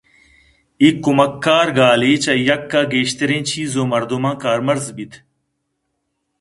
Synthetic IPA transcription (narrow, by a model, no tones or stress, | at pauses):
ikːumɐkːaːɾɡaːliːt͡ɕɐjɐkːaːɡeːɕt̪eɾẽːt͡ɕʰiːzoːmɐɾd̪umãːkaːɾmɐɾzbit̪ʰ